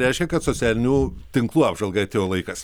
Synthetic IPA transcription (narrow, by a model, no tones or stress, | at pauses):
ɾʲɛɪʃʲkʲɛkɐt̪soːsʲæːlʲɪnʲuːt̪ʲɪŋklˠuːɑːbʒɐlˠɡɐɐt̪ʲeːjoːlˠɐɪkɐs